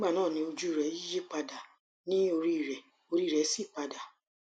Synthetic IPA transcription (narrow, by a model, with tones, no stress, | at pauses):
ĩ˦ɡ͡ba˦˨nãː˦˨nĩ˧o˧d͡ʒu˦i˦˨ɾɛ˨˦i˦d͡ʒe˦k͡pa˧da˨ | nĩ˦o˧ɾi˦˨ɾɛ˨ | o˧ɾi˦˨ɾɛ˨˦si˦˨k͡pa˧da˨